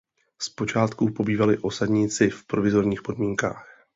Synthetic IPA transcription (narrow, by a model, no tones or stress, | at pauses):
spo̞t͡ʃaːt̪kupo̞biːvalɪʔo̞sadɲɪt͡sɪfpɾo̞vɪzo̞ɾɲiːxpo̞dmiːŋka̰ːx